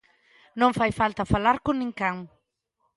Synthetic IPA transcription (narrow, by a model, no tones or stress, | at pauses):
nõŋfajfalt̪afalaɾkunĩŋkãŋ